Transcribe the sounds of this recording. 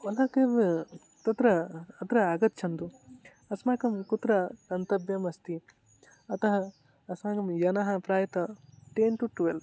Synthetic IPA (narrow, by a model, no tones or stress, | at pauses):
ʋɐlaːkeːʋ | t̪ɐt̪ɾɐːt̪ɾɐaːɡɐt̪̚ːt͡ʃʰɐnd̪u | ɐsmaːkɐmkut̪ɾɐkɐnt̪ɐbjɐmɐst̪i | ɐt̪ɐɦɐː | smaːkɐmjɐnɐɦɐ̆pɾaːjɐt̪ɐʈeːnʈuʈuʋelb